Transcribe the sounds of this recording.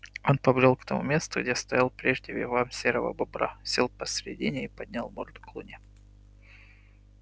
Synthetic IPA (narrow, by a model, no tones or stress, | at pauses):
o̞npɐbɾʲolˠkt̪ɐmṵmʲe̞st̪ʊɡdʲest̪ɐjalˠpɾʲeʐdʲɪvʲɪvamsʲeɾəvə̰bɐbɾa̰sʲelˠpəsʲɾʲɪ̰dʲinʲɪipɐd̪ʲnʲalˠmord̪klˠṵnʲɪ